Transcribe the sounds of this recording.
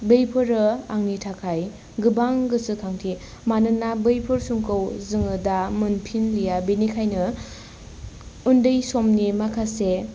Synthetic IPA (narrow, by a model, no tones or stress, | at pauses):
bejpʰɯɾɯaŋnitʰakʰaj | ɡɯbaŋɡɯsɯkʰaŋtʰi | manɯnːabɯjpʰɯɾsuŋkɯwzɯŋɯdamɯnpʰinlijabinikʰajnɯ | undɯjsomnimakʰase